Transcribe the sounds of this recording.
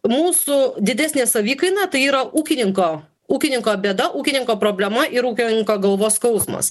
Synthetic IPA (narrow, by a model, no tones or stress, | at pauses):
muːsʊd̪ʲɪd̪ʲæːsʲnʲesɐʋʲiːkɐɪnɐt̪ɐɪiːɾɐʔuːkʲɪnʲɪŋkoː | uːkʲɪnʲɪŋkoːbʲeːd̪ɐʔuːkʲɪnʲɪŋkoːpɾoːbʲlʲɛmɐʔɪɾuːkʲɪnʲɪŋkoːɡɐlˠʋoːskɐʊsmɐ̰s